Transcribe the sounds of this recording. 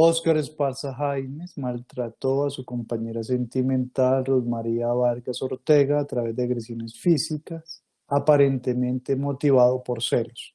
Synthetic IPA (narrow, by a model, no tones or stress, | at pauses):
oskaɾespaɾsaɦajmesmalt̪ɾat̪o̞asuko̞mpaɲe̞ɾase̞nt̪imẽ̞nt̪alruðmaɾiaβaɾɡaso̞ɾt̪e̞ɣaːt̪ɾaβe̞zd̪eaɣɾesjo̞ne̞sfisikas | apaɾe̞nt̪e̞mẽ̞nt̪e̞mo̞t̪iβaðo̞po̞ɾselos